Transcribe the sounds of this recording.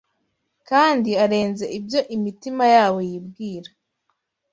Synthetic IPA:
kaːndiaɾe̞ːnze̞ʔibjo̞ʔimitimajaːwo̞jibɡiːɾa

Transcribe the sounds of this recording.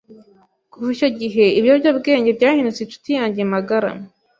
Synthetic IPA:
kuviʃo̞ɟiɦe̞iβjobɟobɡe̞ːɲɟe̞bɟaːhinut͡sinʃu̥tijaːɲɟijemaɡaɾa̰m

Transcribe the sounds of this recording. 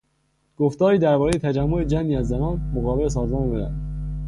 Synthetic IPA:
ɡ̥oft̪ɒːɾiːd̪æɾbɒːɾejet̪ʰæd͡ʒæmːoed͡ʒænd̪iːæzːænɒːnmoɣɒːbeles̬ɒːzmɒːnbeɾæ̰̥

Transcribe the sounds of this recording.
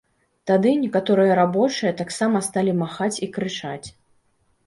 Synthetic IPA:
t̪ad̪ɨnʲɛkat̪ɔɾɨjɐɾabɔt͡ʂɨjɐt̪aksamɐst̪alʲimaxat͡sʲikɾɨt͡ʂat͡sʲ

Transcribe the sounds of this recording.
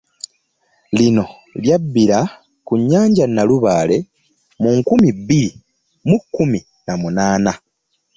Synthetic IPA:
lino̞ | ljabːiɾa | kuɲːaːɲɟanːaluβaːle̞ | muŋkumibiɾi | mukːumi | namunaːna

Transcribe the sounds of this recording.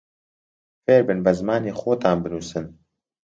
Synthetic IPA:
feːɾbɨnbɐzmaːniːxoːt̪aːnbɨnuːsɨn

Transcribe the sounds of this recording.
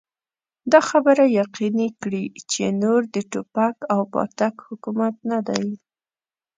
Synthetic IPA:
d̪ɑxabəɾajaqinikɽit͡ʃenoɾd̪əʈopakawpɑ̰ɾt̪akhʊkumat̪nad̪aj

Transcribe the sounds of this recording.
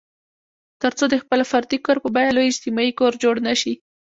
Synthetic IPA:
t̪əɾt͡sod̪əxpəlafaɾd̪ikoɾpəbajalojɪd͡ʒt̪imɑikoɾd͡ʒoɽnaʃi

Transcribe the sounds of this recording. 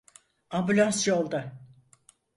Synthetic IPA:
ambylʲˠansjolˠd̪a

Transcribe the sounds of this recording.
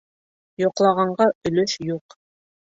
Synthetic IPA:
joqlˠɑʁɑɴɢɑʔɵ̆lɵʃjuq

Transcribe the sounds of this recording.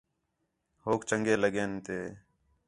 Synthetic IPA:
hoːkt͡ʃəŋɡeːləɠeːnt̪eː

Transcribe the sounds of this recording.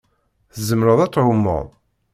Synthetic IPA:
θəzəmɾəðˤæt͡sːʕʊmːo̰ðˤ

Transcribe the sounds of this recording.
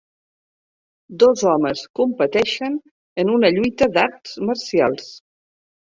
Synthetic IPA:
d̪ɔzɔməskumpət̪ɛʃən | ənunəʎujt̪əd̪aɾt̪zməɾsia̰lˠs

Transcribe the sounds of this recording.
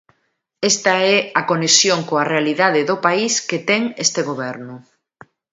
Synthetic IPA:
est̪ɐɛakonesjoŋkoarealiðaðɪðopaisket̪ɛŋest̪eɣoβ̞ɛɾnʊ

